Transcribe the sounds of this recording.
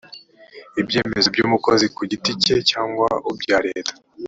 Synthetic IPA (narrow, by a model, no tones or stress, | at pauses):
ibje̞ːme̞zobɟuːmuko̞zikuɟitice̞caːŋɡwa̰ubɟaːɾe̞ːtḁ